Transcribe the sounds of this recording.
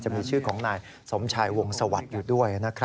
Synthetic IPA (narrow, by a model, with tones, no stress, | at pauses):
t͡ɕa˨˩ʔ̚miː˧t͡ɕʰɯː˥˩kʰɔː˩˦ŋnaː˧j | so˩˦mt͡ɕʰaː˧jwo˧ŋsa˧wa˨˩t̪̚juː˨˩du˥˩əjna˦˥kʰɾa˦